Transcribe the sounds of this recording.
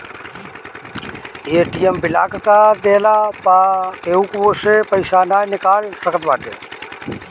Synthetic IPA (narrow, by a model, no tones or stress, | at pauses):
eːʈiːjembɪla̰ːkkaːd̪eːlapakeːukʋoːsepəɪʃaːnaːjnɪkaːlsəkət̪ʋaːʈ̪ḛː